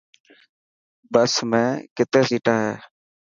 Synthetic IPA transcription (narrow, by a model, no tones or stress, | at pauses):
bəsmɛ̃ːkɪt̪eːsiːʈaːɦɛː